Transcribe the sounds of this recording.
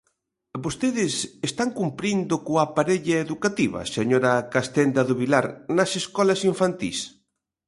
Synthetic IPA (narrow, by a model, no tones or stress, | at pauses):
bost̪eðɪsest̪aŋkumpɾind̪ʊkoapaɾeʎɐeðukat̪iβɐ̰seɲoɾɐkast̪end̪ɐðʊβilaɾnɐseskɔlɐsiɱfant̪ḭs